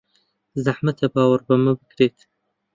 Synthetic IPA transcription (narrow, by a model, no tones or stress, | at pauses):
zaħmat̪ʰabɑwaɾbaməbəkɾet̪